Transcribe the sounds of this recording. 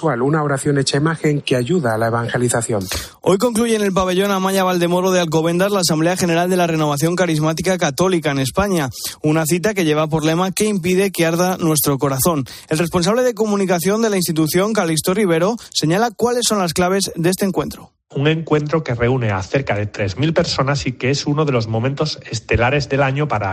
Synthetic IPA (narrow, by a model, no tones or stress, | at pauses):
walunaoɾaθjo̞net͡ʃaimaxe̞ŋkeaʝuðaːlaeβ̞aŋxe̞liθaθjon | o̞̰jko̞ŋkluʝe̞ːne̞lp̬aβe̞ʎo̞namaʎaβ̞ald̪e̞mo̞ɾo̞ð̞ealk̬o̞β̞ẽ̞nd̪azlaːs̬ambleaxe̞ne̞ɾald̪e̞lare̞no̞β̞aθjo̞ŋkaɾizmat̪̬ikakat̪o̞likaene̞spaɲaunaθit̪̬ak̬e̞ʝe̞β̞ap̬oɾle̞make̞impiðe̞keaɾðanwe̞st̪ɾo̞ko̞ɾaθo̞n | e̞lrespo̞ns̬aβle̞ð̞e̞k̬o̞mũnikaθjo̞nd̪e̞lainst̪it̪uθjo̞ŋkalist̪oriβ̞e̞ɾo̞se̞ɲalakwale̞sːo̞nlasklaβ̞e̞zdeest̪eŋkwe̞nt̪ɾo | uŋẽ̞ŋkwe̞nt̪ɾo̞ke̞re̞une̞a̰θe̞ɾkaðe̞t̪ɾe̞zmilpe̞ɾso̞nasikeesunoðe̞lo̞zmõ̞ment̪osest̪e̞laɾe̞zðe̞laɲopaɾa̰